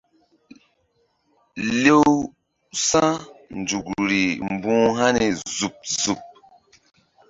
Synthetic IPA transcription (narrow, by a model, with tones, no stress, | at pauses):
le˦w | sã˦n˨d͡ʒu˨kɾi˨m˨bũː˦ɦa˦ni˨zu˨p̚zu˨p̚